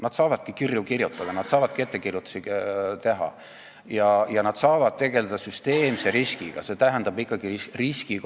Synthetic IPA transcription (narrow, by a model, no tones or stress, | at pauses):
nɑd̪̥sɑːvɑd̪̥̚kikirjukirjut̪ːˑɑd̪̥ɑnɑd̪̥sɑːvɑd̪̥̚ket̪ːˑekirjut̪ːˑu̥sit̪e̞ɦɑ̰ | jɑjɑnɑd̪̥sɑːvɑd̪̥̚t̪e̞ɡ̥e̞led̪̥ɑsyst̪e̞ːmseɾiskiɡ̥ɑ̰se̞t̪æɦend̪̥ɑbikːˑɑɡ̥iriski